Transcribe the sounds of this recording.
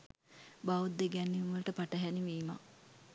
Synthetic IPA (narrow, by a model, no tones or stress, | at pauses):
baʋud̪ːeɡænːiumʋəlʈəpaʈəɦæniʋiːma̰